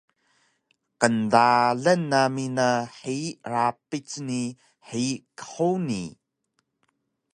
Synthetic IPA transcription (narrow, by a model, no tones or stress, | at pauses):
qəndaɮənːaminəħiʔrapit͡sni | ħikə̥ħuni